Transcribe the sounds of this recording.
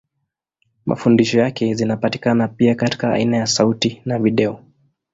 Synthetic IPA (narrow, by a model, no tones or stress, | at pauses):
mʔa̰fundiʃɔjakɛzinapati̥kanapiakati̥kaa̰inajasautinaviɗɛɔ